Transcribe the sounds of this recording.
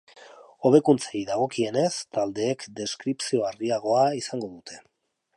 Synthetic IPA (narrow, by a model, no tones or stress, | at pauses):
o̞βe̞kunt͡seiðaɣ̞o̞kie̞ne̞st̪ald̪e̞ːkd̪e̞skɾipsio̞aɾɣiaɣ̞o̞aisaŋɡo̞ðut̪ʰe̞̥